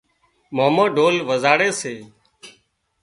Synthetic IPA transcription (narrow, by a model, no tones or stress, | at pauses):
moːməːɖʱoːlʋəzaːɽeːseː